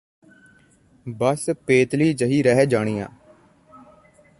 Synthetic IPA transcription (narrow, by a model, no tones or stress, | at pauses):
bəspeːt̪liːd͡ʒəɦiːɾɛɦɛːd͡ʒaːɽ̃iːjã̰ː